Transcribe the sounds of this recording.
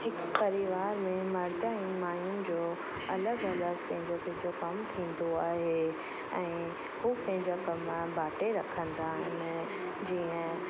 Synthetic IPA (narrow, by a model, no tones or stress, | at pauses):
ɦɪk | pɐɾɪʋaːɾmẽmɐɾd̪aĩmaːjʊnɪ̆d͡ʑoː | ɐləɡɐləɡpɐ̃ɦɪ̃ɲd͡ʑop̪ɐ̃ɦɪ̃ɲd͡ʑokɐmt̪ʰĩːn̆d̪oaːɦe | ɛ̃ː | huːpɐ̃ɦɪ̃ɲd͡ʑakɐmbʱaːʈeɾɐkʰə̃nd̪aːɦɪnɪ̆ | d͡ʑiːə̃